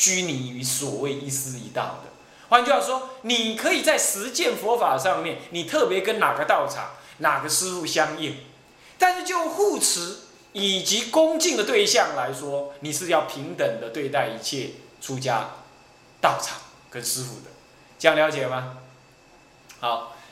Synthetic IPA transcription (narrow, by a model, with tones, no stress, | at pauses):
t͡ɕy˥ni˨˩y˧˥swɔ˨˩we˥˩ɪi˧sɹ̩˥ḭ˧˥t̪ɑ̰˥˨˩ʊd̪ə̰˩ | xwa˥˦nt͡ɕo˥˧jɑ˥˧˩wɔ˥ni˨˩kʰɤ˧˥i˨˩t͡sa˥˩ɪʂɻ̩˧˦t͡ɕjɛ˥˩nfwɔ˧˥fa˨˩ʂɑ˥˧ŋmjɛ˥˨nni˨˩t̪ʰɤ˥˨pjɛ˧˥kə˦nna˨˩ɡə˦t̪ɑ˥˩ʊʈ͡ʂʰɑ̰˨˩˦ŋ | na˨˩ɡə˧˦ʂɹ̩˥fu˥˩ɕjɑ˥ŋi˥˩ŋ | t̪a˥˧nʂ̩˥˧t͡ɕjo˥˧ʊxu˥˩t͡s̩ʰ˧˦ | i˨˩t͡ɕi˧˨˥kʊ˥ŋt͡ɕi˥˨ŋd̪ə˨˩t̪we˥˧ɪɕjɑ˥˨ŋla˧˦ɪʂwɔ˥˦ni˨˩ʂɻ̩˥˧jɑ˥˩ʊpʰi˨˦˥ŋt̪ə˨˩ŋd̪ə˦t̪we˥˧ɪt̪a˥˩ɪi˧˥t͡ɕʰjɛ˥˨t͡sʰu˦t͡ɕja̰˥ | t̪ɑ˥˩ʊʈ͡ʂʰɑ̥˨˩˦ŋ | kə˦nʂɻ̩˥fṵ˥˩d̪ə˩ | t͡ɕə˥˧ja˥˩ŋljɑ˧˥ʊt͡ɕjɛ˨˩ma˦ | ha˨˦ʊ